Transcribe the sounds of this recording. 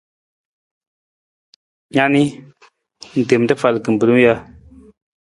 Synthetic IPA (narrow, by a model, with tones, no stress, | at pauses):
ɲa˨ni˦ | n̩˨de˨m˨ta˦fa˨lkɨ˨m̩˨bɨ˨lɨ˦m˦ja˧˦